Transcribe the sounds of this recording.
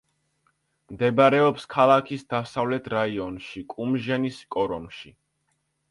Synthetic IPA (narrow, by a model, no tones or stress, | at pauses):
md̪ɛbaɾɛɔpskʰalˠakʰisd̪asavlɛt̪ʰɾaiɔnʃikʼumʒɛniskʼɔɾɔnʃi